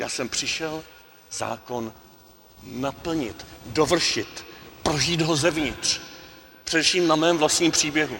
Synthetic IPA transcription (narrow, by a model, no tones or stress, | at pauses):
ja̰ːsɛmpr̥ɪʃɛl | z̥a̰ːko̞nː | apl̩ɲɪt̪dovr̩ʃɪt̪pɾoʒiːd̪ɦozɛvɲɪt̪r̥ | pr̝̥ɛdɛfʃiːmnamɛːmvlast̪ɲiːmpr̝̥iːbjɛɦu